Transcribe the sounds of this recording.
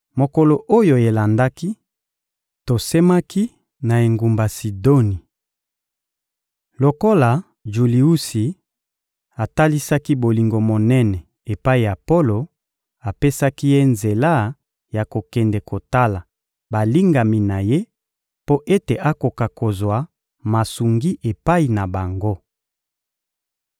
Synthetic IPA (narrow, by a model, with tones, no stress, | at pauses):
mo˨ko˨lo˨ʔo˦jo˨e˨la˨nda˦ki˦ | to˨se˦ma˦ki˦ | na˨e˨ŋɡu˨mba˨si˨do˦ni˨ | lo˨ko˦la˨ | ʒu˨li˨u˦si˨ | a˨ta˦li˦sa˦ki˦bo˨li˨ŋɡo˨mo˨nɛ˦nɛ˨ | e˨pa˦i˨ja˨po˦lo˨ | a˨pe˦sa˦ki˦je˦nze˨la˦ | ja˨ko˨kɛ˨ndɛ˨ko˨ta˦la˨ | ba˨li˦ŋɡa˨mi˨na˨je˦ | po˦ʔe˦te˨ʔa˦ko˨ka˨ko˨zwa˨ | ma˨su˨ŋɡi˦ʔe˨pa˦i˨na˨ba˨ŋɡo˦